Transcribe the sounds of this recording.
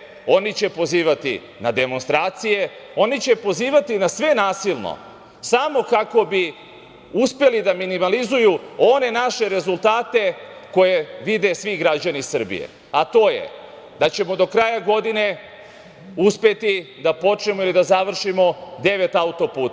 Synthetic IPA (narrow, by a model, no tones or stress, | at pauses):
o̞nit͡ɕe̞po̞ziːʋat̪ḭ | nad̪e̞mo̞nst̪ɾaːt̪sije̞o̞nit͡ɕe̞po̞ziːʋat̪inasʋe̞naːsilˠno̰ | samo̞kako̞bi | uspe̞lid̪aminimalizujuo̞ne̞naʃe̞ɾe̞zulˠt̪aːt̪e̞ko̞je̞ʋid̪e̞sʋiɡɾad͡ʑanisr̩bḭjḛ | at̪o̞ːjḛ | d̪at͡ɕe̞mo̞d̪o̞kɾaːjaɡo̞d̪ine̞ | uspe̞t̪id̪apo̞t͡ʃne̞mo̞ilid̪azaʋr̩ʃimo̞d̪e̞ʋe̞t̪aut̪o̞puːt̪a